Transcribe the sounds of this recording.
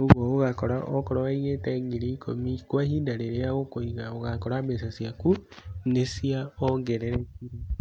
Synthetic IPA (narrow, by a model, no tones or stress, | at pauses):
oβɔoɣakɔɾaʔɔkɔɾɔwaiɣetɛŋɡiɾiikʰomikwahiːndaɾeɾeaɣokoiɣaoɣakɔɾamesasjakunesiaɔɡɛɾɛɾɛkiɾi